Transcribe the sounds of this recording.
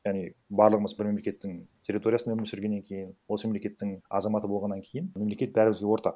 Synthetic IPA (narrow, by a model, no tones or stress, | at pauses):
jɑʁnibɑɾlˠəʁəməzbɪɾme̞mle̞kʲe̞t̪ːɪŋtʲʰeɾʲːit̪o̞ɾijasnmɪsɪɾɡʲe̞nːeŋkʲʰe̞jɪnwosəmemlekʲe̞t̪ːɪŋɑ̰zɑmɑt̪əbolˠʁɑnːɑŋkʲʰe̞jɪnmemle̞kʲe̞t̪̚bæɾɪmɪzɡʲewo̞ɾt̪ɑ̰q